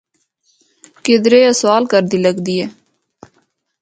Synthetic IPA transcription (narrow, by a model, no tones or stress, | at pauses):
kɪd̪ɾeːəswaːlkəɾd̪iːləɡd̪iːɛː